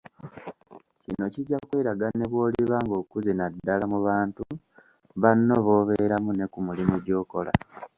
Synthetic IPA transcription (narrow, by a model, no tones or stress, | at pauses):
cino̞ciɟakweːɾaɡane̞βwo̞ːliβaŋɡo̞ːkuzinadːalamuβaːntu | βanːo̞βo̞ːβe̞ɾamune̞kumulimuɟo̞ːko̞la̰